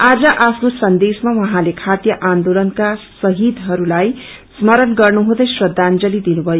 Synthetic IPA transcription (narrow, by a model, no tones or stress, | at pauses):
ad͡zʌʔapʰnosʌnd̪esmawʌɦãlekʰat̪jʌʔand̪olʌnkasʌɦid̪ɦʌɾulaj | smʌɾʌnɡʌrnuɦũd̪ʌjsrʌd̪ʱːand͡zʌlid̪inubʱʌjo